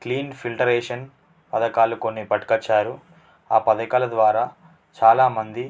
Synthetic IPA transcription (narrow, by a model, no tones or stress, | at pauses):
kliːnpʰilʈɐɾɛːʂɐn | pɐd̪ɐkaːluko̞nːipɐʈkɐt͡ʃːaːɾu | aːpɐd̪ɐkaːlɐd̪ʋaːɾaː | t͡ʃaːlaːmɐnd̪i